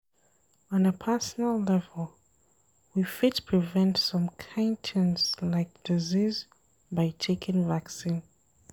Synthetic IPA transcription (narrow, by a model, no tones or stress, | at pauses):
ə̃nəpʰɜ˞sənəlˠlɛvəlˠ | wifɪtpʰɹ̥ivɛ̃ntsʌ̃mkʰãntʰɛ̃nslaɪk̚d̥iziz | baɪtʰeɪkɪ̃ŋvaksĩn